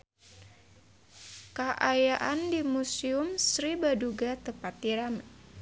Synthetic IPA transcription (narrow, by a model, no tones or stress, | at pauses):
kaʔajaʔandimusiʊmsɾibaduɡat̪əpat̪iɾam